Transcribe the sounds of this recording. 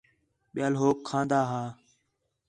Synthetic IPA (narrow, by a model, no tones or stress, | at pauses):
ɓɪjaːlɦoːkʰːãːnd̪aːɦaː